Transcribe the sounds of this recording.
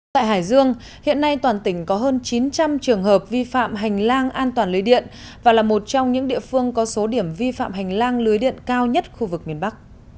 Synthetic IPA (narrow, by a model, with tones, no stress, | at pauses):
t̪a̰ː˧˨jɦaː˧˩jzɨ˧əŋ | hḭ˧˨ənːa˧jt̪waː˨˩nt̪ï˧˩ŋ̟kɔ˨˦ɦəː˧nt͡ɕi˨˦nt͡ɕa˧mt͡ɕɨ˨˩əŋɦəː˨˩p̚vi˧fa̰ː˧˨mɦa˨˩jŋ̟laː˧ŋʔaː˧nt̪waː˨˩nlɨ˨˦jɗḭ˧˨ənvaː˨˩laː˨˩mo˨˩t̚t͡ɕɔ˧wŋ͡mɲɨ̰˧˥ŋɗḭ˧˨əfɨ˧əŋkɔ˨˦so˨˦ɗi˧˩əmvi˧fa̰ː˧˨mɦa˨˩jŋ̟laː˧ŋlɨ˨˦əjɗḭ˧˨ənkaː˧wɲə˦˥t̚xu˧vɨ˨˩k̚mi˨˩ənɓa˦˥k̚